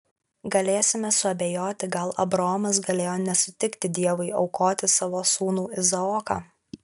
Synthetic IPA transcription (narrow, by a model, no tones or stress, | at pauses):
ɡɐlʲeːsʲɪmʲɛsʊɐbʲeːjoːt̪ʲɪɡɐlˠʔɐ̰bɾɐɔːmɐs̬ɡɐlʲeːjoːnʲɛsʊ̥t̪ʲɪkt̪ʲɪd̪ʲiɛʋʊɪɒʊkoːt̪ʲɪsɑʋoːsuːnuːɪzɐɔːkɑ̰ː